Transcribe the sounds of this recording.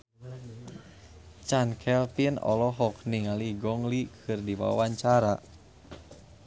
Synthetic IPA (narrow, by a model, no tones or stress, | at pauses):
t͡ʃankʰɛlpinɔ̰lɔɦɔk̚niŋaliɡɔŋlikʰɨrdiwa̰waɲt͡ʃaɾa